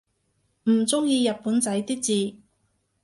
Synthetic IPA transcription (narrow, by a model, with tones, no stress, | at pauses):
m̩˨˩t͡sʊ˥ŋjiː˧jɐ˨t̚puː˨˥nt͡sɐ˨˥jt̪iː˥k̚t͡siː˨